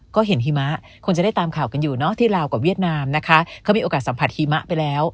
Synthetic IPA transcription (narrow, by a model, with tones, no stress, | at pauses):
kɔː˥˩ɦe˩˦nɦiː˧ma˦˥ʔ | kʰo˧ŋt͡ɕa˨˩da˥˩jt̪aː˧mkʰaː˨˩wka˧njuː˨˩nɔ˦˥t̪ʰiː˥˩ɾaː˧wka˨˩wi˥˩ət̪̚naː˧mna˦˥kʰa˦˥kʰwmiː˧ʔoː˧kaː˨˩t̪̚sa˩˦pʰa˨˩t̪̚hiː˧ma˦˥ʔpa˧jlɛː˦˥w